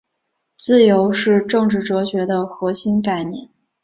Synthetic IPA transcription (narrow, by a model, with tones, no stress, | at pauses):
t͡sɹ̩˥˩jo˧˥ʊʂɻ̩˥˧ʈ͡ʂɤ˥˧ŋʈ͡ʂɻ̩˥˩ʈ͡ʂɤ˧˥ɕɥɛ˧˥d̪ə˧xɤ˧˥ɕi˥nka˥˧ɪnjɛ˥˩n